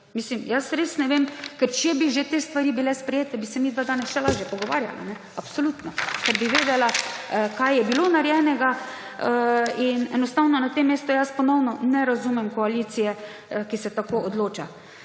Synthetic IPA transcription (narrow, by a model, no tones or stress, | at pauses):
miːslimjasɾeːsnɛʋeːmkɛɾt͡ʃɛbiʒet̪eːst̪ʋaɾibilɛspɾɛjeːt̪ɛbisɛmid̪ʋad̪aːnɛsʃɛlaːʒjɛpɔɡɔʋa̰ːɾja̰la̰nɛ | apsolut̪nɔkɛɾbiʋeːd̪ɛlakajjɛbilonaɾjɛnɛɡa | inɛnɔst̪aːwnɔnat̪emːeːst̪ujaspɔnɔwnɔnɛɾazuːmɛmkɔaliːsijɛ | kisɛt̪akood̪loːt͡ʃa